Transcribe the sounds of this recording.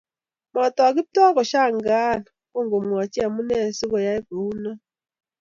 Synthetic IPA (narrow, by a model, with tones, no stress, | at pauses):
mɔ˨tɔ˨a˨kɪ˦tɔ˦kɔ˨ʃa˦˨ŋɡa˦˨n˨ko˦ŋɡo˨mwa˨t͡ʃi˦a˨mu˦nɛ˦˨si˦kɔ˨ja˦i˦ko˨u˦na˦